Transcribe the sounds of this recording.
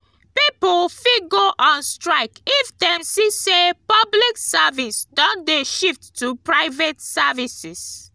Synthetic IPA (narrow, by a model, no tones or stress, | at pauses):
pipɔlfiɡoʔɔ̃nstɹaɪkifdɛ̃msisepabliksavĩsdɔ̃ndeʃiftːupɹaɪvɛtsavisis